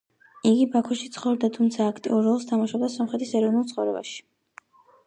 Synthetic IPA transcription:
iɡibakʰɔʃit̪sʰχɔɾd̪at̪ʰumt̪sʰaːkʰt̪ʼḭuɾɔlˠst̪ʰamaʃab̚d̪asɔmχɾɛt̪ʰisɛɾɔvnulˠt̪sχɔvɾɛba̰ʃi̥

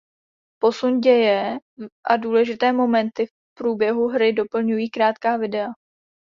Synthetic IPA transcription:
po̞sunɟɛjɛʔaduːlɛʒɪt̪ɛːmo̞mɛnt̪ɪf | pɾuːbjɛɦuɦɾɪdo̞pl̩ɲujiːkɾaːt̪kaːvɪdɛa

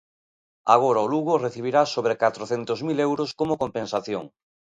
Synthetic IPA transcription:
a̰ɣ̞oɾaoluɣoreθiβ̞iɾasoβɾekat̪ɾoθent̪ozmilewɾoskomokompẽnsaθjo̰ŋ

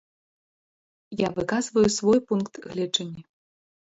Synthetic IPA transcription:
javɨkazvɐjusvɔjpunkt̪ɣlʲɛd͡ʐɐnʲːi

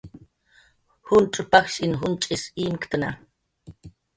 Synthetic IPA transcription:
hʊnʈ͡ʂʼʊpakʃinɦʊnt͡ʃʼisimkt̪ana̰

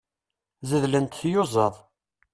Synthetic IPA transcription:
zəðlənt̪θjʊzˤɑðˤ

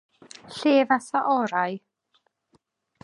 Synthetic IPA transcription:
ɬeːvasaʔɔɾaj

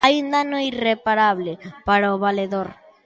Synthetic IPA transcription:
ajund̪anoirepaɾaβlepaɾaoβaleðoɾ

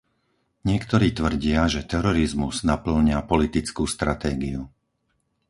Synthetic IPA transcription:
ɲɪɛkt̪ɔɾiːt̪ʋr̩ɟɪaʒɛt̪ɛɾɔɾizmuznapl̩ɲɪapɔlit̪it͡skuːst̪ɾat̪ɛːɡiu

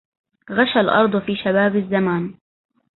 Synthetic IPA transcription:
ɣaʃalʔɑ̰ɾˤd̪ˤfiːʃabaːbɪzːamaːn

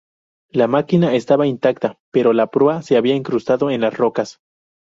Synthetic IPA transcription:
lamakinaest̪aβaint̪akt̪ape̞ɾo̞lapɾease̞aβiaeŋkɾust̪aðoenlasrokas

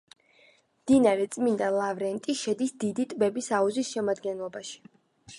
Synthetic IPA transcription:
md̪̥inaɾɛt̪sʼmind̪alˠavɾɛnt̪ʼiʃɛd̪isd̪id̪it̪ʼbɛbisauzisʃɛmad̪ɡɛnlˠɔbaʃi̥

